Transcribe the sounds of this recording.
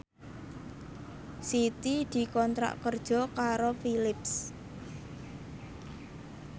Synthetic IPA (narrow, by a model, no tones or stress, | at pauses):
sit̪id̪̥i̤kɔnt̪ɾa̰ʔkərd̥ʒ̥ɔ̤kaɾofilɪps